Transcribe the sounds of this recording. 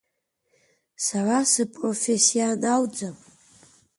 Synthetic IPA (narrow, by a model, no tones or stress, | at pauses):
sarasəpʼrofesjanawd͡zam